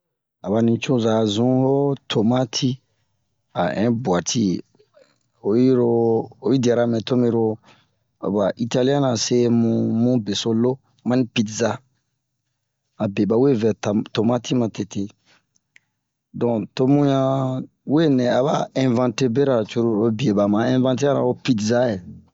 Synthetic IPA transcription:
a˨ba˨nĩ˨t͡ʃu˦za˨zũ˦ho˦tʰo˨ma˦tʰi˦ | a̰˨ɛ̰̃˦bwa˨tʰi˦ | o˨ji˦ɾo˧o˨i˦da˨ɾa˨mɛ̃˨to˦mĩ˦ɾo˧ | o˨ba˨ʔi˨ta˦li˦ã˦na˨se˦mũ˨mũ˦be˨so˧lo˦ | mã˦nĩ˦pi˦tza˦ | a˨be˨ba˨we˦vɛ˨tto˨ma˦tʰi˦mã˨te˨te˦ | dɔ̃˨to˦mũ˦jã˦ | we˦nɛ̃˨a˨βa˦ɛ̃˨vã˦te˦be˦ɾa˨t͡ʃu˦ɾu˦o˦bi˨e˨ba˨mã˨ɛ̃˦vã˦nt̬e˦a˦ɾa̰˨o˦pi˦tza˦je˨

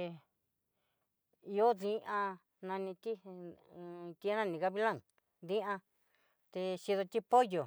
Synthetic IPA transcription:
o˦ðĩ˦ʔã˧ | nã˧nĩ˧t̪i˦ | t̪i˧˦nã˦˧nĩ˧ka˧βi˦lã˦˨ŋ | ðĩ˦ʔã˧ | t̪e˧ʃi˧ðo˧t̪i˦po˦jo˨

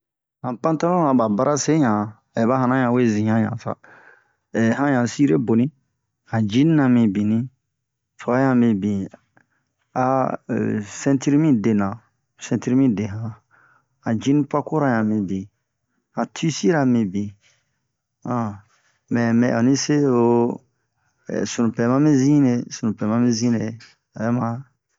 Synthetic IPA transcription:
hã˨pã˦ta˦lõ˦nã˨ba˨ba˦ɾa˦se˦ɲã˨ | e˨ba˦hã˨nã˦jã˨we˦zĩ˨ɲã˦jã̰˨sa̰˦ | ɛ˨ɦã˦jã˨si˦ɾe˦bo˨nĩ˦ | hã˨d͡ʒĩ˦ni˦nã˨mĩ˨bĩ˨nĩ˦ | fɔ˨a˦ã˨mĩ˨bĩ˨ | a̰˨ | sɛ̃˦ti˦ɾi˦mĩ˦de˨nã˨ | sɛ̃˦nti˦ɾi˦mĩ˦˨de˨ɦã˨ | ã˨d͡ʒĩ˦nĩ˦pa˦ko˦ɾa˧jɲã˨mĩ˧bĩ˨ | ã˨tʰi˦si˦ɾa˨mĩ˧bĩ˨ | ã˨ | mɛ̃˨mɛ̰̃˨ʔo̰˨nĩ˦se˦o˧˦˨ | sũ˨nũ˨pɛ˨mã˦mĩ˦zĩ˦ne˧sũ˨ũ˨pɛ˨mã˦mĩ˦zĩ˦ne˨ | a˨jɛ˦mã˦

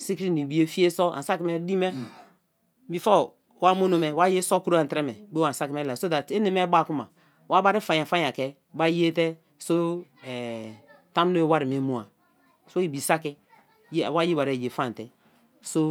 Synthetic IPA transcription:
si˦kɾi˦ni˨bi˦e˦fi˦e˦sɔ˦a̰˨sa˦ki˨˦mɛ˦di˦mɛ˦ | bi˨fɔ˦˨ | wa˦mo˦no˨mɛ˨wa˦je˦sɔ˦ku˦ɾo˦a˨tɾɛ˦mɛ˨be˦a˨n˨sa˦ki˨mɛ˦la˨so˦da˨te˦ne˨me˦ba˦˨ku˦ma˨ | wa˦ba˦ɾi˦fa˨ja˨fa˦ɲa˨kɛ˦ | ba˦ji˦e˦tɛ˦ | so˦ɛ˨ta˦m˦no˦e˦wa˦ɾi˨me˨˦mo˦a˨ | so˦i˨bi˨sa˦ki˦ | jwa˦ji˦ba˨ɾe˨je˨fa˦˨n˨tɛ˦ | so˦

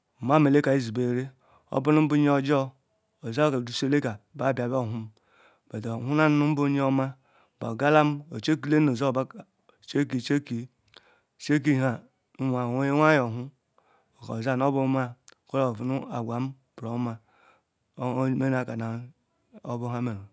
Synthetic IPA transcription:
ma˦me˨le˦ka˨i˦zi˨be˨ɾe˦ | o̰˦bu˦nu˦m̩˦bu˦ɲ˦o˨d͡ʒo˦ | o˨za˦kdu˨se˦le˦ka˨ba˨ba˨bo˦˨ɦu˦m˦ | ba˨do˨hu˦na˦n˦nu˦m̩˦bu˦ɲ˦o˦ma˦ | ba̰˨ɡa˦la˦m˦o̰˨t͡ʃe˦ki˦le˦o˨za˦˨ba˦˨ | t͡ʃe˦ki˨t͡ʃe˦ki˨ | t͡ʃe˦k̬i˦ɦa˨ | nu˦wa˨we˦wa˦jo˨ɦu˦˨ | ka˨za˦n˦o˦bu˦ma˦˨ko˦ɾa˦˨vu˨nu˦a˨ɡʷa˨m̩˦ | b̥ɾo˨˦ma˦ | me˦n˦a˨ka˨na˨ | o˦bu˦ɦa˦me˨ɾo˨

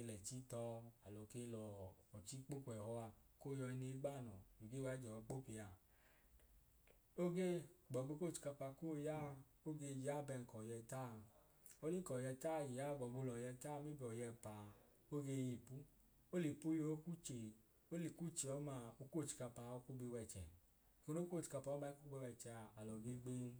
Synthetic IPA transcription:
ke˧lɛ˨t͡ʃi˦tɔ˧a˨lɔ˨ke˧lɔː˨t͡ʃi˦k͡po˦kʷɛ˨hɔ˧a˧˨ko˦˨jɔ˧i˧ne˧˦ɡ͡ba˦˨nɔ˨i˨ɡe˦wa˦d͡ʒɛ˨ɔ˧k͡po˦ki˧ja˧ | o˦ɡe˦ɡ͡bɔ˨ɡ͡bo˧˦ko˦˨t͡ʃi̥˧ka˧pa˧ko˦ja˦˧ | o˦ɡe˧d͡ʒa˦˨bɛ˧ŋ̩˨kɔ˨jɛ˧ta˦˨ | o˦li˦ŋ̩˦kɔ˨jɛ˧ta˦˨ji˨ja˦˨ɡ͡bɔ˨ɡ͡bo˧lɔ˨jɛ˧ta˦˧mi˦bi˧ɔ˨jɛ˧pa˨ | o˦ɡe˧ji˧˨pu˦ | o˦li˨pu˦jo˧˦o˦ku˦t͡ʃe˨ | o˦li˨ku˦t͡ʃe˧˨ɔ˨˦ma˧˨o˧˦ko˦˨t͡ʃi̥˨ka˧pa˧o˦ku˦ɡ͡be˧wɛ˧˨t͡ʃɛ̰˨ | ko˧no˦ko˦˨t͡ʃi̥˧ka˧pa˧ɔ˦ba˧˦ku˦ɡ͡be˧wɛ˧t͡ʃɛ˧a˧a˨lɔ˨ɡe˧˦ɡ͡be˦n˦

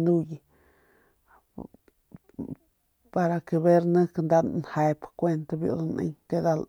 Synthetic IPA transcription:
nu˦ji˧ | pa˧ɾa˧ke˧βe˦ɾnə̃˦knd̪a˧nhe˧pkʷe˧nt̪a˧bjo̰˧nʔḛ˦ŋke˧d̪a˧l

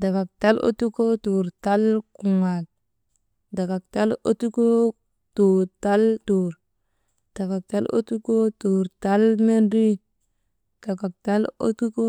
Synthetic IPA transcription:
da˨ka˨k̚ta˦lo̰˦tu˦ko˦tu˨ɾta˦lku˨ŋa˨l | da˨ka˨k̚ta˦lo˦tu˦ko˦ | tu˨ta˦lto˨ɾ | d̥a˨ka˨k̚ta˦lo̰˦tu˦ko˦tu˨ɾta˦lme˦ndi˦ | ɡ̥a˨ka˨k̚ta˦lo̰˦tu˦ko˦

